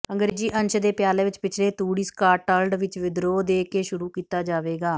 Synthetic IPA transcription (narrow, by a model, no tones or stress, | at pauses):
əŋɡəɾd͡ʒiːʔə̃nʃd̪eːpjaːleːʋɪt͡ʃpɪt͡ʃʰleːt̪uːɽiːskaːʈəlɖʋɪt͡ʃʋɪd̪ɾoːd̪eːkeːʃʊɾuːkiːt̪aːd͡ʒaːʋeːɡaː